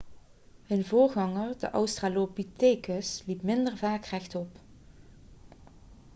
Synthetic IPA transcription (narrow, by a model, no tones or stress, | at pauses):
hənvʊːɹɣɑŋəɹdə̰ʔɑwstraːlopiteːkəslipmɪndəɹvaːkrɛxtɔp